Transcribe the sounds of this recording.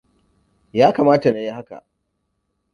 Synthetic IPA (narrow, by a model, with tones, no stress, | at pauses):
jaː˦kaː˨maː˦ta˨na˨ji˦ha˦ka̰˨ʔ